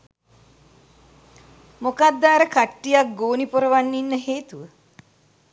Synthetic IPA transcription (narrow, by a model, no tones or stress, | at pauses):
mokad̪ːaːɾəkaʈːijak̚ɡoːnipuɾəʋanːinːəɦeːt̪uʋə